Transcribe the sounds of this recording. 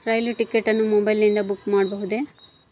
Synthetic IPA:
ɾɐjliʈikːeʈːɐnːumɔbɐjlnind̪ɐbukmaːɖbɐɦud̪e̞

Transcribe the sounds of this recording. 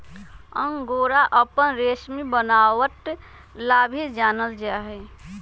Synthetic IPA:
əŋɡoːɾaʔəpənɾesmibənawəʈ | laːbʱid͡ʒaːnəld͡ʒaɦɛ

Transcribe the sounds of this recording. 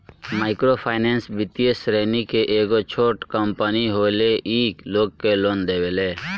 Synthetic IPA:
maːɪkɾoːpʰaɪneːnsbɪt̪iesɾeːnikeʔeːɡot͡ʃʰoːʈkəmpəniɦoːleʔiːkloːɡ̚keloːnd̪eːʋeleː

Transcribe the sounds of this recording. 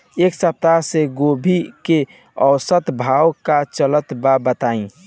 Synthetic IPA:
eksəp̚t̪aseɡobʱike | əwsət̪bʱawkat͡ʃələt̪babət̪aĩ

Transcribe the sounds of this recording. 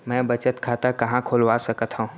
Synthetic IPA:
mɛ̃ːbɐt͡ʃət̪kʰaːt̪akɐɦãkʰoːlʋaːsɐkət̪ɦõː

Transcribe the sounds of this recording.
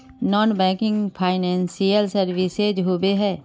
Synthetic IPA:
nɔːnbɛ̃ːkɪ̃ŋɡpʰaːɪnɛ̃ːnsijəlsəɾʋɪsed͡ʒɦobeɦɛː

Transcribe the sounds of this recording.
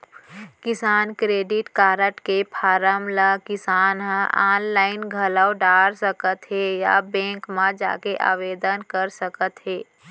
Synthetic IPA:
kɪsaːnkɾeːɖɪʈkaːɾəʈkepʰaːɾəmlakɪsaːnɦə̃aːnlaːɪnɡʱəlawɖaːɾsəkət̪ɦeja̰bɛ̃ːŋkmãd͡ʒa̰ːkeʔa̰ːʋeːd̪ənkəɾsəkət̪ɦeː

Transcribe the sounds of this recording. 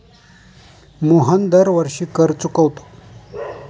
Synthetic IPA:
muɦənd̪əɾʋəɾɕiːkəɾt͡sukəʋt̪o̥

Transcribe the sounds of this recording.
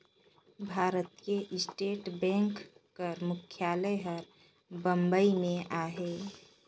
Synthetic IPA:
bʱaːɾət̪̚keʔɪsʈeːʈbɛ̃ŋkː | əɾmʊkʰjaːləjɦəɾ | bə̃mbəimẽʔaːɦe

